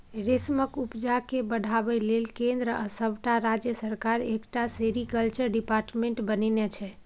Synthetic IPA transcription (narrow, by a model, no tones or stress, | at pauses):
ɾesməkupd͡ʒakebəɽʱabɛlelkẽnd̪ɾəəsəbʱʈaɾad͡ʒjəsəɾkaɾekʈaseɾikəlt͡ʃəɾɖipaɾʈmeɳʈbəninet͡ʃʰɛ